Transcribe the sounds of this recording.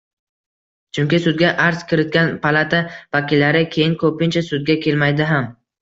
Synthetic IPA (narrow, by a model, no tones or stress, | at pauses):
t͡ʃʰʊŋkʲɪsʊd̪̚ɡʲaʔaɾzkʲɪɾɪt̪̚kʲanpʰalˠat̪ʰavakʲɪlːaɾɪkʲʰe̞jɪŋkʰɵpɪnt͡ʃʰasʊd̪̚ɡʲakʲe̞lmajd̪ɪɦam